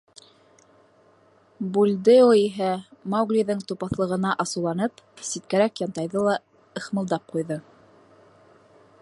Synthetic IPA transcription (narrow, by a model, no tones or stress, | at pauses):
bulʲd̪ɘoiɦæmɑwɡlʲiðɤŋt̪upɑθlˠɤ̆ʁɤ̆nɑʔɑsɤ̆wlˠɑnɤpsit̪̚kæɾækjɑnt̪ɑjðɤlˠɑ | ɤ̆χmɤ̆lˠd̪ɑp̚qujðɤ